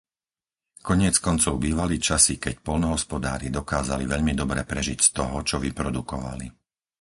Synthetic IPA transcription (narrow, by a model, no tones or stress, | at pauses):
kɔɲɪɛt͡skɔnt͡sɔʊbiːʋalit͡ʃasikɛcpɔʎnɔɦɔspɔd̪aːɾid̪ɔkaːzaliʋɛʎmid̪ɔbɾɛpɾɛʒicst̪ɔɦɔt͡ʃɔʋipɾɔd̪ukɔʋa̰li